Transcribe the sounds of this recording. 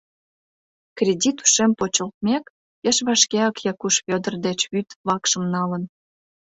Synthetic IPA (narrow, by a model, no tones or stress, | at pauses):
krʲedʲit̪u̥ʃempot͡ɕəlt̪̚mʲek | jeʃβɑʃkeɑkjɑkuʃβʲød̪ərd̪et͡ɕβyt̪βɑkʃə̆mnɑlən